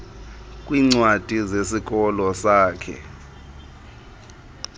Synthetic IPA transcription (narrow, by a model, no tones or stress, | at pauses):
kʼwiŋ͡ǀwad̥ʱizesik̬ɔlɔsaːkʰɛ̰